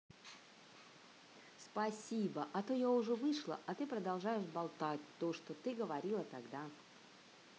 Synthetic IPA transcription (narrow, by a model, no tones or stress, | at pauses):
spɐsʲibəʔɐt̪ojaʊʐɛvɨʂlˠə̰ʔɐt̪ɨpɾəd̪ɐlˠʐajɪʂbalˠt̪at̚ʲt̪oʂt̪ot̪ɨɡəvɐɾʲilˠət̪aɡd̪a